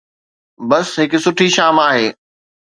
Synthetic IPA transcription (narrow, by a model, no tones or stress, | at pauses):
bɐsɦɪksʊʈʰiʃaːmaːɦeː